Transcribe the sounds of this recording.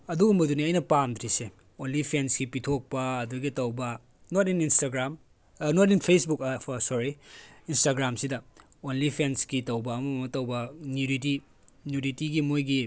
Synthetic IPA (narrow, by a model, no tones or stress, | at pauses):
ɐduɡumbɐduniɐjnɐpamd̪ɾise | onlipʰensɡipitʰok̚pɐɐduɡitɐwbɐ | notininstaɡɾam | notinpʰesbuksɔɾiːnstaɡɾamsidɐ | onlipʰensɡitɐwbɐːmɐmmɐtɐwbɐnjuniti | njunitiɡimojɡi